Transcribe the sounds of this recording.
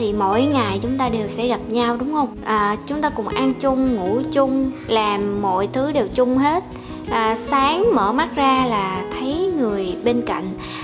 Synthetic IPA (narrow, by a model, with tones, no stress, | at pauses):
t̪ʰi˨˩mo̰˧˥jŋa˨˩jt͡ɕʊ˨˦ŋ͡mt̪aː˧ɗe˨˩wsɛ̰˧˥ɣa˨˩p̚ɲa˧wɗʊ˨˦ŋ͡mhə˧wŋ͡mʔəː˨˩t͡ɕʊ˨˦ŋ͡mt̪aː˧kʊ̰˧˩ŋ͡mʔa˧nt͡ɕʊ˧ŋ͡mŋṵ˧˥t͡ɕʊ˧ŋ͡mlaː˨˩mːo̰˧˨jt̪ʰɨ˨˦ɗe˨˩wt͡ɕʊ˧ŋ͡mɦe˦˥t̚ | ʔəː˨˩saː˨˦ŋmə̰ː˧˩ma˦˥t̚zaː˧laː˨˩t̪ʰə˨˦jŋɨ˨˩əjɓe˧nka̰˧˨jŋ̟